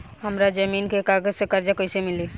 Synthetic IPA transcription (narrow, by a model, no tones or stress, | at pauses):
həmɾad͡ʒəminkekaɡəd͡ʒsekaɾd͡ʒakəsemili